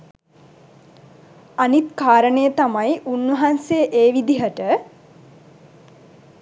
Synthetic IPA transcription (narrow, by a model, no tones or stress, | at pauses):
anit̪kaːɾəɳejət̪amajʔunʋɐɦansejʔeːʋid̪iɦəʈə